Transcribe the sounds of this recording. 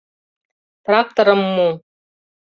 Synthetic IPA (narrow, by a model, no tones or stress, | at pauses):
t̪rak̚t̪oɾɤ̆mːu